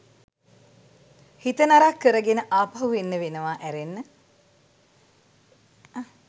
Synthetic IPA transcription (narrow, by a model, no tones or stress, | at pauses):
hit̪ənaɾakːəɾəɡenəʔaːpaɦuʋenːəʋenəʋaʔæɾenːə